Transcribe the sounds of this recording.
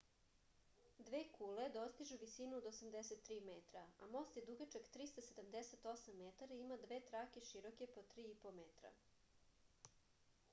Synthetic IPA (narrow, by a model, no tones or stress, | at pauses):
d̪ʋeːkuːled̪o̞st̪iʒuʋisinuod̪osamd̪eset̪ːɾiːmet̪ɾaa̰mo̞st̪jed̪uɡat͡ʃeɡt̪ɾist̪ased̪amd̪eset̪o̞samːet̪aɾaimad̪ʋeːt̪ɾakeʃiɾoke̞pot̪ɾiːipomet̪ɾa̰